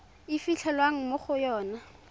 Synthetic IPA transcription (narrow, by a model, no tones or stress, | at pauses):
ɪfiɬʰɛlwaŋ̩moχʊjɔːna